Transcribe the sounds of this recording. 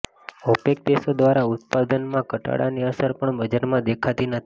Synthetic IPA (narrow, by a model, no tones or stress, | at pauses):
əpek̚d̪esod̪ʋaɾaʊt̪̚pad̪ənmãkəʈa̰ɽa̰niəsəɾpəɳbəd͡ʒaɾmãd̪ekʰat̪inət̪ʰi̥